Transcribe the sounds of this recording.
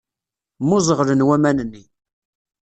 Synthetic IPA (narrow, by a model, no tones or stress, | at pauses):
mʊzˤəʁɾənwæmænənːi